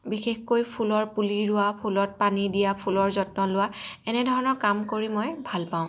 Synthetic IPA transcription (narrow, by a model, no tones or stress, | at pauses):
bixexkojpʰulɔɹpuliɹʊapʰulɔt̚panidijapʰulɔɹzɔtnɔlʊwaɛnɛdʱɔɹɔnɔɹkamkoɹimɔjbʱalpãʊ̃